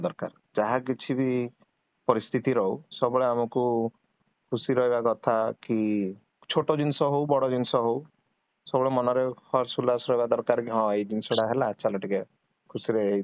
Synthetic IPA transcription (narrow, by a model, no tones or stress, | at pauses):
d̪ɔɾka̰ɾ | d͡ʒaɦak̬it͡ʃʰibi | pɔɾist̪ʰit̪iɾɔɦusɔbɔɭeamɔku | kʰusiɾɔɦibakɔt̪ʰaki | t͡ʃʰoʈɔd͡ʒinsɔɦowbɔɽɔd͡ʒinsɔɦow | sɔbɔɭemɔnɔɾekʰɔɾsulasɾɔɦibad̪ɔɾkaɾkiɦɔ̃ed͡ʒinsɔɽaɦelaːt͡ʃʰalɔʈike | kʰusiɾei